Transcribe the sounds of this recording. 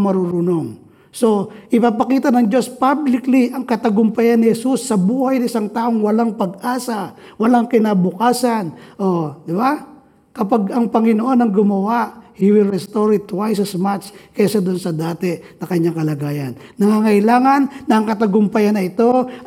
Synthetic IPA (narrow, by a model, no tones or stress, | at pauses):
mɐɾuɾʊno̞ŋ | so̞ʔɪpapɐkiːt̪ɐnɐŋd͡ʒo̞spablɪkliʔɐŋkɐt̪ɐɡʊmpɐjanːɪhɛsusːɐbuːhɐjnɐɪsaŋt̪aːʔo̞ŋwɐlaŋpɐɡ̚ʔaːsa | wɐlaŋkɪnaːbʊkaːsɐnʔod̪ɪba | kɐpaɡɐŋpɐŋɪnoʔo̞nɐŋɡʊmɐwaʔhiwɪlɹɛst̪oɾɪt̪ːwajs̬ɐsmat͡ʃkɐsɐd̪onsɐd̪aːt̪ɛnɐkɐɲːaŋkɐlɐɡaːjɐnːɐŋaːŋɐʔɪlaːŋɐnːɐɐŋkɐt̪ɐɡʊmpɐjanːɐɪt̪o̞